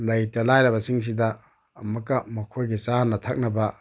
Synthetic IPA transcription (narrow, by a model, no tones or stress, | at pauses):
lɐjtɐlajɾɐβɐsiŋs̬idɐː | mɐkɐmɐkʰojɡisanɐtʰak̚nɐbɐ